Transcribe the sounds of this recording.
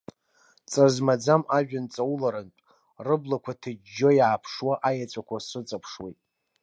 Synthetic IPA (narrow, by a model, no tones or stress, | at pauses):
t͡sʼarzmad͡zamaʒᶣant͡sʼawulaɾɨntʷʼ | rɨblakʷʰatʰɨd͡ʒːojaːpʰʂwaʔajat͡sʷʰʼakʷʰasɨt͡sʼapʰʂwḛjtʼ